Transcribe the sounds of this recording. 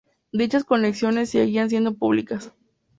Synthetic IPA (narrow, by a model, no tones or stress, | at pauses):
d̪it͡ʃasko̞neksjo̞ne̞sːeɣians̬je̞nd̪o̞puβlikas